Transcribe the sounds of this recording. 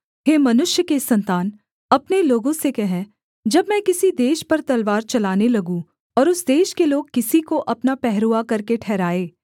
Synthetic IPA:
ɦeːmɐnʊʃjəkesɐ̃nt̪aːn | ɐpneloːɡõsekɛɦɛ̃ | d͡ʒɐbmɛ̃kɪsid̪eːʃpɐɾt̪ɐlʋaːɾt͡ʃɐlaːnelɐɡũ | ɔːɾʊsd̪eːʃkeloːɡ̚kɪsikoʔɐpnapɛɦɾuːakɐɾkeʈʰɛːɾaːeː

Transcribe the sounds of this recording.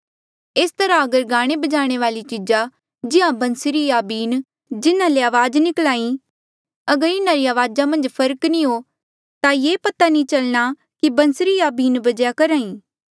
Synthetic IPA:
eːst̪ɐɾaɐɡəɾɡaːɽ̃ebɐd͡ʒaːɽ̃eʋaːlit͡ʃiːd͡ʒa | d͡ʒɪɦãbɐ̃nsɾijaːbiːn | d͡ʒɪnãleaːʋaːd͡ʒnɪklaːĩ | ɐɡəɾɪnãɾiaːʋaːd͡ʒamɐ̃nd͡ʒpʰɐɾknĩɦo | t̪ajeːpɐt̪anĩt͡ʃɐlña | kibɐ̃nsɾiaːbiːnbɐd͡ʒjakɐɾaːĩː

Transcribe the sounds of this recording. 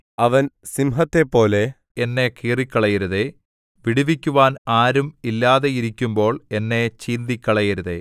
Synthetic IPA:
ɐʋɐnsimɦɐt̪ːe̞pːo̞ːle̞ | enːe̞kiːrikʲːɐɭɐjɐɾuðe | ʋiɽiʋikʲːuʋaːnaːɾumilːaːðe̞iɾikʲːumbo̞ːɭe̞nːe̞t͡ɕiːnd̪ikʲːɐɭɐjiɾuðḛ

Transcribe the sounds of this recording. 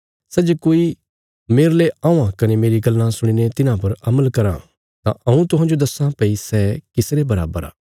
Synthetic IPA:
sɛd͡ʒkoːi | meːɾleãːãkɐnemeːɾiɡɐlːãsʊɽ̃inet̪ɪnãpɐɾɐməlkɐɾã̰ | t̪ã̰ʔɐũt̪ʊɦãːd͡ʒod̪ɐsãpɐisɛkɪsɾebɐɾa̰ːbəɾa̰ː

